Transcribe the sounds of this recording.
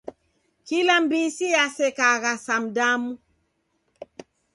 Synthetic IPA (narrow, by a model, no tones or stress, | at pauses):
kilambisijasɛkaɣasam̩damu